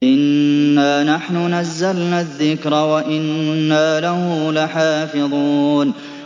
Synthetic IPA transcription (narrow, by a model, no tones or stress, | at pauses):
ʔɪnːaːnaħnʊnazːalnaːðːɪkɾˤɑwaʔɪnːaːlahʊlaħaːfɪðˤuːn